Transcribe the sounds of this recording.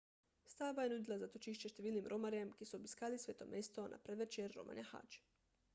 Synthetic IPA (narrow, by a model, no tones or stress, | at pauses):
st̪aːbajenud̪ilˠazat̪ot͡ʃiʃt͡ʃeʃt̪eʋiːlnimɾʔomaɾiamkesuobiskaːlisʋeːt̪omest̪onʔa̰pɾed̪ʋet͡ʃeɾːo̰ma̰ɲaha̰t͡ʃ